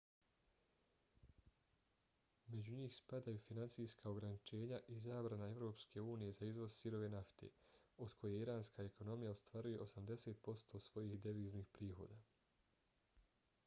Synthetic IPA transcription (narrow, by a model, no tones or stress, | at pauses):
me̞d͡ʑuɲiːxspad̪ajufinansijskao̞ɡɾanit͡ʃe̞ːɲaʔizaːbɾanae̞vɾo̞ːpskʰe̞uːnije̞zaizʋo̞zsiɾo̞ʋe̞naft̪ʰḛod̪kʰo̞jeiɾaːnskae̞ko̞no̞mijaost̪ʋaːɾuje̞ʔo̞samd̪e̞se̞ːt̪̚po̞st̪o̞sʋo̞jiːxd̪eʋiːzniːxpɾiːxo̞̰ːd̪aː